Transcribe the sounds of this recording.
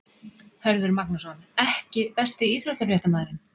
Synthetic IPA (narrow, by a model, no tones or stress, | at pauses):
hœɾðʏɾmaknasɔnɛhcɪpɛst̪ɪiːtɾœht̪afɾjɛht̪amɛːðɾɪn